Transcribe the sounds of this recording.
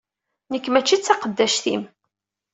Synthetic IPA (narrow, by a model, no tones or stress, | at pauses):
nəkːmæt͡ʃːit͡sːɑqəd̪ːæʃθḭm